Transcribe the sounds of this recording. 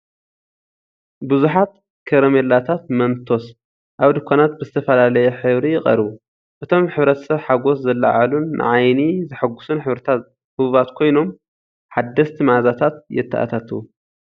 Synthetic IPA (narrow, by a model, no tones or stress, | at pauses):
bɨzuħat̪ | kʰɐɾɐmelat̪ʰat̪mɐnt̪ʰo̞s | ʔaβd̪ɨkʷʰːanat̪̚bɨzɨt̪ʰɐfɐlalɐjɛħɨβɾijɪxʼɐ̰ɾɨβu | ʔɨt̪ʰo̞mħɨβɾɐt̪ʰɐ̥sɐβħaɡo̞szɐlːa̰ʕalunːɨ̰ʕajnizɨħɨɡːusunħɨβɾɐt̪ʰa | hɨββat̪kʰo̞jno̞m | ħad̪ːɐst̪ʰimazat̪ʰat̪̚jɛ̰t̪ʰːa̰ʔa̰t̪ʰat̪ʰɨu